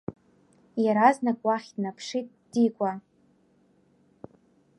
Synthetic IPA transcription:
jaɾaznakʼwaχʲdnapʰʂitʼd̥ikʷʼa

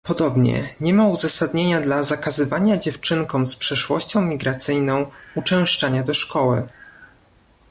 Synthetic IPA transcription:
pɔd̪ɔbɲɛ̰ɲɛmauzasad̪ɲeɲad̪lazakazɘvaɲad͡ʑɛft͡ʂɘŋkɔ̃w̃spʂɛʂwɔ̰ɕt͡ɕɔ̃w̃mʲiɡɾat̪sɘjnɔ̃w̃ut͡ʂɛ̃w̃ʂt͡ʂaɲad̪ɔʂkɔwɘ̰

